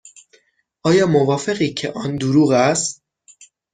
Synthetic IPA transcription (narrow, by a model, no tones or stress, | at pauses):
ʔɒːjɒːmo̞vɒːfe̞ɣiːcʰḛʔɒːnd̪uɾuːɣæst̪̚